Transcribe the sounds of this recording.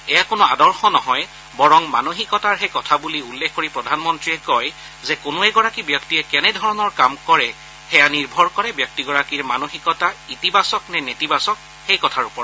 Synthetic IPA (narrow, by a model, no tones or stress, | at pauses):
ɛjakʊnʊadɔɹxɔnɔɦɔj | bɔɹɔŋmanoxikɔtaɹɦekɔtʰabuliulːekʰkoɹipɹɔdʱanmɔntɹiɛkɔj | zɛkʊnʊɛɡɔɹakibjɔktijɛkɛnɛdʱɔɹɔnɔɹkamkɔɹɛ | xɛjaniɹbʱɔɹkɔɹɛbjɔk̚tiɡɔɹakiɹmanoxikɔtaitibasɔknɛnetibasɔk̚ | xejkɔtʰaɹupɔɹ